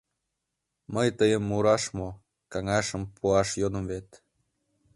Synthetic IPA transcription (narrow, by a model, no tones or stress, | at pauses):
məjt̪əjəmːuɾɑʃmo | kɑŋɑʃəmpʰuɑʃjod̪ə̆mvet̪